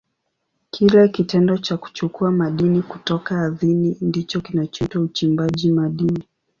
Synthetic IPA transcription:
kʰilɛkitɛndɔt͡ʃaku̥t͡ʃukuamaɗiniku̥tɔkaːðinindit͡ʃɔkinat͡ʃɔtwaut͡ʃimbaʄimaɗini

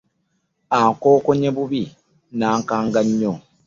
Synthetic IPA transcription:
aːŋkoːkoɲeβuβi | naːŋkaːŋɡaɲːo

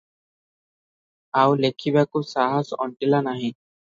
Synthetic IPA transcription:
awlekʰibakusaɦasɔ̰ɳʈilanaɦĩ

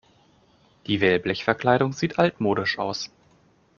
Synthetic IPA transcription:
d̥iːvɛlblɛçfɛɐkl̥aɪɾʊŋziːtʰʔaltmoːɾɪʃʔaʊs

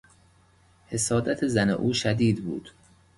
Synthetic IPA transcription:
he̞sɒːd̪æt̪ʰezænḛʔuːʃæd̪iːd̪bṵːd̪̥

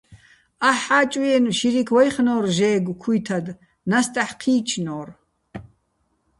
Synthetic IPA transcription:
aħaːt͡ʃʼijɛnʃiɾikʰwɔjχnɔːrʒɛːɡʷkʰujt̪ʰad̪ | nast̪ʼaħqʰiːt͡ʃʰnɔːr

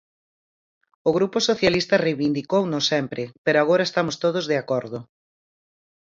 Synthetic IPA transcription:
ʊɣɾupʊsoθjalist̪ɐrejβind̪ikownosɛmpɾɪpeɾoaɣ̞oɾɐest̪amʊst̪oð̞ozðeakoɾðʊ

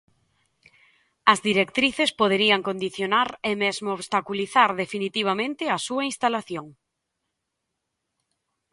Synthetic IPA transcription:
ɐzðiɾekt̪ɾiθespoð̞eɾiɐŋkond̪iθjonaɾemezmooβst̪akuliθaɾðefinit̪iβ̞amẽnt̪ɪɐsuɐinst̪alaθjoŋ

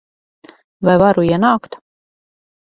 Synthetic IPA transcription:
vajvaɾuiɛnaːkt̪

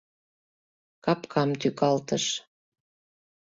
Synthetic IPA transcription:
kɑpkʰɑmt̪ykɑlt̪əʃ

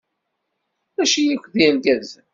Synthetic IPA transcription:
æʃijækʷːðimɡæðz

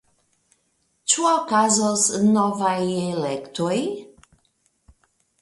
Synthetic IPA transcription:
t͡ʃuokazosnːɔvajelektoj

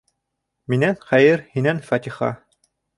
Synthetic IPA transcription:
minænχæjɘɾhinænfɑt̪ʲiχɑ̰

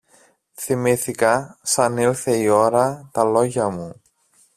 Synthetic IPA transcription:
θimiθikɐsɐnilθe̞io̞ɾɐt̪ɐlo̞ʝɐmu

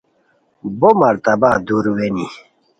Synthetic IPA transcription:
bomɐɾt̪ɐbad̪uɾweni

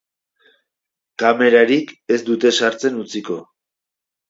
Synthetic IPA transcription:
kame̞ɾaɾike̞zd̪ut̪e̞saɾt͡se̞nut͡siko̞

